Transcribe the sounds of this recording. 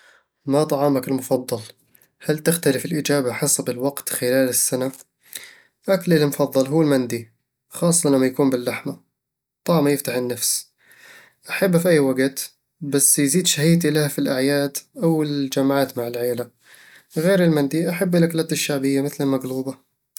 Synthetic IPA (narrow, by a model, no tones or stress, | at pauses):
mat̪ˤɑʕɑːmakɪlmʊfɑðˤːɑl | halt̪ɪxt̪alɪfɪlʔɪd͡ʒaːbaħɑsbɪlwaɡt̪xɪlaːlɪsːana | ʔaklɪlmʊfɑðˤːɑlɦuːɪlmand̪i | xɑːsˤːɑlamːajakuːmbɪlːaħma | t̪ˤɑʕmajɪft̪aħɪnːafs | ʔaħabːafiʔajːwaɡt̪ | basːjziːd̪ʃahiːt̪ilahafilʔaʕjaːd̪ʔawɪld͡ʒamʕaːt̪maʕɪlʕeːla | ɣeːɾɪlmand̪iʔaħabːɪlʔaklaːt̪ɪʃːaʕbɪjːamɪθlamaɡluːba